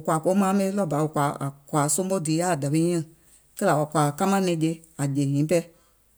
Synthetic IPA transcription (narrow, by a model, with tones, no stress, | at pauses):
u˨kʷa˨ko˧˦mãː˨˦mɛ̃˧ĩ˦lɔ˦˨ba˨˦o˨kʷa˨˦a̰˨kʷa˨sõ˦o˦diː˨˦ja˦˨da˨bẽ˧˦ɲɛ̃˦˨ | kɜ˦la˨wa˨kʷa˨ka˦mã˦nɛ̃˧˨˦d͡ʒe˧˦a˨d͡ʒe˨ɲĩː˨˦pɛ˧˦